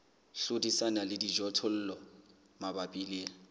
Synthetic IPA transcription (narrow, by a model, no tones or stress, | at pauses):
ɬʊdisanalɪdid͡ʒɔtʰɔl̩ːlɔ | mabapʼilɪ